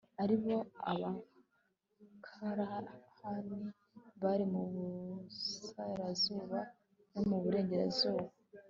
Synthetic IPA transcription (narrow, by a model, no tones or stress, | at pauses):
aɾiβo̞a̰βa | kʰaɾahami | βaɾimuβusaɾazuːβa | no̞muβuɾe̞ːɲɟe̞ɾḛzuːβo